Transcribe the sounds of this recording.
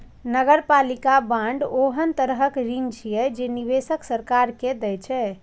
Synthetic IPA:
nəɡəɾpalikabãɳɖoɦənt̪əɾɦəkɾint͡ʃʰijɛd͡ʒeniβesəksəɾkaɾked̪ɛjt͡ʃʰɛ

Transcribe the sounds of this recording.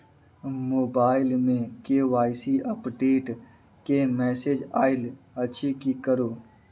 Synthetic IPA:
moːbaːɪlmẽkeːʋaːɪsiəpʈeːʈ | kemɛːseːd͡ʒaːɪl | ət͡ʃʰikikəɾoː

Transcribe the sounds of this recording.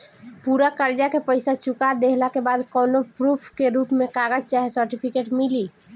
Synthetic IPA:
puɾakəɾd͡ʒakepəɪsat͡ʃukad̪eɦlakebad̪kɔnopɾupʰkeɾupmẽkaɡəd͡ʒ̚t͡ʃaɦesəɾʈipʰikeʈmili

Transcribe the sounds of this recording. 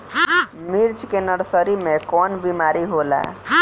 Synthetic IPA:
miɾt͡ʃʰkenəɽsəɾimekɔnbimaɾiɦola̰

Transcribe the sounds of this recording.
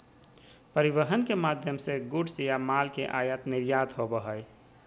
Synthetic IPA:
pəɾiʋəɦənkemad̪ʱjəmseɡuɖsjamalkeʔajət̪niɾjad̪ɦobəɦəj

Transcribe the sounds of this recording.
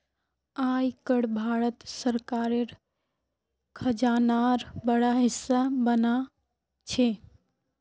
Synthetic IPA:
ajkəɽbʱaɾət̪səɾkaɾeɾ | kʰəd͡ʒanaɾbəɽaɦɪsːabəna | t͡ʃʰe

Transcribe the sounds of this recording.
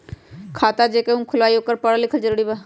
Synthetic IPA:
kʰaːt̪ad͡ʒeːkeɦũkʰʊlʋaːioːkəɾpəɽalɪkʰəld͡ʒəɾɽibaː

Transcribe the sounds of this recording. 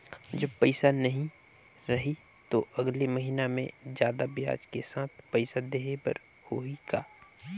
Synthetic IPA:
d͡ʒɐbpəɪsanɐɦĩ | ɾɐɦi | t̪oʔɐɡleməɦinamḛ̃d͡ʒjaːd̪abɪja̰ːd͡ʒkesaːt̪̚ʰpɐɪsad̪eːɦebə̰ɾ | hoikaː

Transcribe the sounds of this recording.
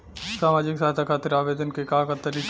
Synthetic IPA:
saːmaːd͡ʒɪksaːɦt̪ʰakʰaːt̪ɾaːʋeːd̪ənkekaːkat̪əɾi

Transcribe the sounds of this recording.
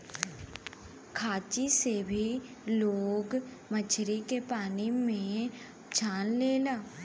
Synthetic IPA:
kʰaːt͡ʃisebʱi | loːɡ | mət͡ʃʰɾikepaːnimẽ | t͡ʃʰaːnleːlaː

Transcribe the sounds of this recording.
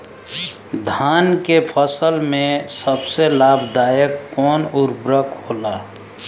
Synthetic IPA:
d̪ʱaːnkepʰəsəlmẽsəbselaːbʱd̪aːjəkːɔːnuɾbɾəkoːlaː

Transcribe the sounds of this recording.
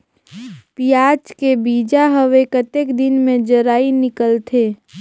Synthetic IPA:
pijaːt͡ʃkebiːd͡ʒaɦəʋekət̪ekd̪ɪnmẽd͡ʒəɾaːinɪkəlt̪ʰeː

